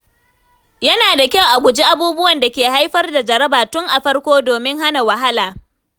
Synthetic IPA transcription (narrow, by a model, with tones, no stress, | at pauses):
jɐ˦naː˨da˨kʲɐ˦wʔa˨ɡʷʊ˨d͡ʒi˦ʔa˨buː˦bʊ˦wɐ˨nda˨kʲeː˨ha˦jɸɐ˦rda˨d͡ʒɐ˨ɾɐ˦baː˨tʊ˦ŋʔa˨ɸɐ˦rkʷoː˦doː˨mɪ˦ŋɦa˦na˨wɐ˨ɦa˦laː˨